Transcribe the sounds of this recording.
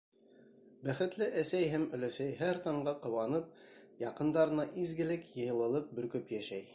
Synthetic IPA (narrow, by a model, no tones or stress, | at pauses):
bæχɘ̆t̪lɘʔæsæjɦæmɵ̆læsæjɦæɾt̪ɑɴɢɑqɤ̆wɑnɤp̚ | jɑqɤ̆nd̪ɑɾɤ̆nɑʔizɡɘ̆lɘkjɤ̆jɤ̆lˠɤ̆lˠɤp̚bɵ̆ɾkɵpjæʃæj